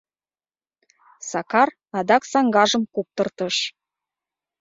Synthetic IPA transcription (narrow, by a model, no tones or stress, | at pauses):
sɑkɑr | ɑd̪ɑksɑŋɡɑʒəmkup̚t̪ɤ̆rt̪ɤʃ